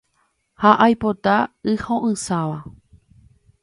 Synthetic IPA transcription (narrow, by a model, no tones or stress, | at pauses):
haʔajpot̪aɨhõʔɨ̃saʋa